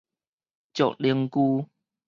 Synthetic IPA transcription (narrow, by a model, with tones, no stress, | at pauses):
t͡ɕo̰˨k̚li˧əŋku˧